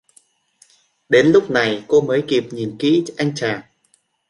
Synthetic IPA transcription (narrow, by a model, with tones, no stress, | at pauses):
ɗe˨˦nlʊ˦˥k͡p̚na˨˩jko˧məː˨˦jki˨˩p̚ɲi˨˩nkḭ˧˥ʔa˧jŋ̟t͡ɕaː˨˩ŋ